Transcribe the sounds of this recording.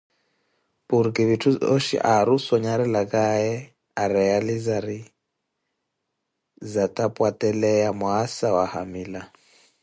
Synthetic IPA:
pʼuɾkʼiβitʰuoʃḭʔaɾusɔɲaɾɛlakʼaɛ | aɾɛjalizaɾi | zatʼapʼwatʼɛlɛjamʊasawaha̰miːla

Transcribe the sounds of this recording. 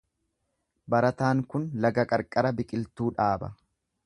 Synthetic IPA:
bɐɾɐt̪aːŋkʊnlɐɡɐkʼɐɾkʼɐɾɐbɪkʼɪlt̪uːᶑaːbɐ̰

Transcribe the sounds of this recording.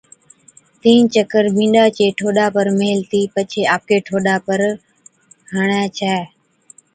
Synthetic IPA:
t̪ĩːnt͡ʃəkəɾbĩːɗaːt͡ʃeːʈʰoːɗaːpəɾmeːlt̪iːpət͡ʃʰeːaːp̚keːʈʰoːɗaːpəɾ | ɦəɳɛːt͡ʃʰɛː

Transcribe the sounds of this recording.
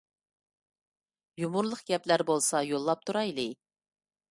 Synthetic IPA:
jumuɾlˠəqɡʲɛplæɾbolˠsɑjolˠːɑp̚t̪ʰuɾɑjlɪ

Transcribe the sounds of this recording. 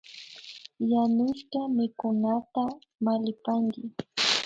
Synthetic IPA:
janʊʃkamɪkʊnat̪a | malɪpaŋɡɪ

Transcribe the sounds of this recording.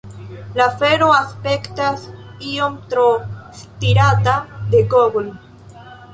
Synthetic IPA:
lafeɾoaspekt̪asiomt̪ɾost̪iɾat̪ad̪eɡobol

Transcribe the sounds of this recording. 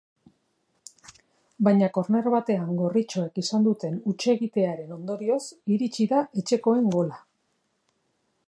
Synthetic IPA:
bajɲako̞ɾne̞ɾβat̪e̞aŋɡo̞rit͡ʃo̞e̞kisand̪ut̪e̞nut͡ʃe̞ɣit̪e̞aɾe̞no̞nd̪o̞ɾio̞siɾit͡ʃiðaʔe̞t͡ʃe̞ko̞e̞ŋɡo̞la

